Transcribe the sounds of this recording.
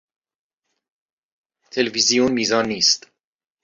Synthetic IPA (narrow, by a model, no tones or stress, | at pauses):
t̪ʰe̞levizijunmiːzɒːnːiːst̪